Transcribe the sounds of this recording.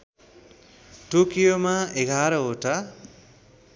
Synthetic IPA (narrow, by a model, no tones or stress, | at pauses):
ʈokijomaeɡʱaɾʌoʈa